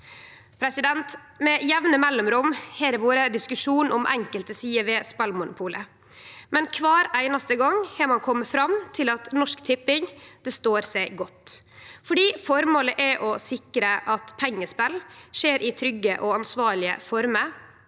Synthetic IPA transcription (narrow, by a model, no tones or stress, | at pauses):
pʰɾɛsɪd̪ɛnt̪mɛjɛʋnəmɛlːɔmɾʊmhɛːɾʋoːɾəd̪ɪskʉʂuːnʔɔmʔɛ̰ŋkəlt̪əsiːəʋeːspɛlmʊnʊpʰuːlə | mɛnkʰʋɑːɾæɪnɑst̪əɡɑŋːhɛɾmɑnkʰɔmːəfɾɑmt̪ʰɪlɑt̪nɔʂkt̪ʰɪpːɪŋd̪̥ɛst̪oːɾsæɪɡɔt̪ː | fɔɖiːfɔɾmoːləʔɛʔɔsɪkɾəʔɑt̪pʰɛŋːəspɛlʂeːɾʔɪt̪ʰɾʏɡːəʔɔɑnsʋɑːɭɪə̰fɔɾmə